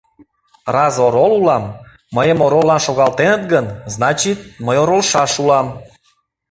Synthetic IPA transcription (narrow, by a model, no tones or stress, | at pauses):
rɑzoɾolulɑmː | əjəmoɾolːɑnʃoɣɑlt̪enət̪ɡənznɑt͡ɕit̪̚məjoɾolʃɑʃulɑm